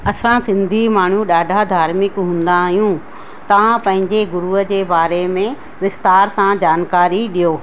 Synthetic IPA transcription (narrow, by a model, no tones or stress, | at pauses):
ɐsãsɪ̃nd̪ʱimaːɳ̤uɗaːɖʱad̪ʱaːɾmɪkɦũːn̆d̪aɦijũ | t̪ɐʋãpɐ̃ɦɪ̃ɲd͡ʑeɡʊɾuɦəd͡ʑeːbaːɾemẽ | ʋɪst̪aːɾsãd͡ʑaːnkaːɾiɗijoː